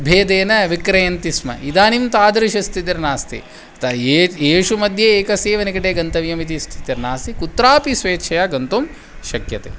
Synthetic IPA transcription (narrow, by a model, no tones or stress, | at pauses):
bʱeːd̪eːnɐʋikɾɐjɐnt̪ismɐ̰ʔid̪aːnimt̪aːd̪ɐɾiʃɐst̪ʰit̪̬iɾnaːst̪ḭ | t̪ɐeːʂumɐd̪ʱjeeːkɐseːʋɐnikɐʈeːɡɐnt̪ɐʋjɐmit̪̬ist̪ʰi̥t̪iɾnaːst̪ikut̪ːɾaːpisʋeːtʃʰɐjaɡɐnt̪um | ʃɐkjɐt̪ḛː